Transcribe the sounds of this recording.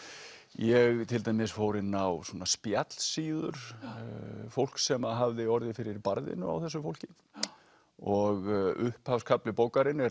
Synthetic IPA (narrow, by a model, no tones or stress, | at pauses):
jɛɣt̪ʰɪlt̪ajmɪsfoːwɾɪnːawsɔːnaspjat̪l̥siːðʏ̰ɾ̥ | fowl̥ksɛmaɦavðɪɔɾðɪfɪɾɪɾpaɾðɪ̰nʏ̰a̰wθɛsːʏfowl̥cɪ | ɔɣʏhphafskʰaplɪpowkaɾɪnɛ